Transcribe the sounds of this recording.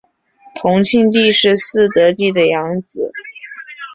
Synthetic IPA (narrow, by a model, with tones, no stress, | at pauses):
t̪ʰʊ˧˥ŋt͡ɕʰi˥˧nt̪̬i˥˧ʂɻ̩˥˧sɹ̩˥˩t̪ɤ˧˥t̪i˥˩d̪ə˩jɑ˧˥ŋd͡zɹ̩˨˩˦